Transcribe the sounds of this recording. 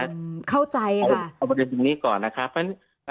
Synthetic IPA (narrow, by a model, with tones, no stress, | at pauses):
kʰa˥˩wt͡ɕa˧ja˩˧wpɾa˧de˧nt̪u˨˧˩ŋniː˦˥˩kɔː˨˩nːa˦˥kʰɾa˦˥p̚ʰːa˥˩n˥˩ | a˧